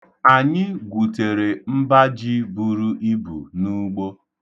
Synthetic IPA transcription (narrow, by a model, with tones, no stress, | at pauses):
a˨ɲɪ˦ɡʷu˨te˨ɾe˨m̩˦ba˦d͡ʒi˦bu˦˨ɾu˦ʔi˦bṵ˨nu˦ɡ͡bo˦